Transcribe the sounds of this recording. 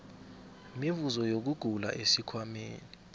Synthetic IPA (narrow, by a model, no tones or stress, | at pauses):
mivuzɔjok̬uɡ̥ʱula̰ʔesikʰwameːni